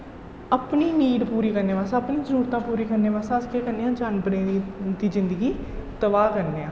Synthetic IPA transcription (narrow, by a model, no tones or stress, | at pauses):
əpniːniːɖpuːɾiːkəɾneːʋaːsaːəpnĩːzəɾuːɾt̪ãːpuːɾiːkəɾneːʋaːsaːskeːkəɾneːãːd͡ʒaːnbənẽːd̪iːzɪ̃nd̪əɡiːt̪əʋaːkəɾneːãː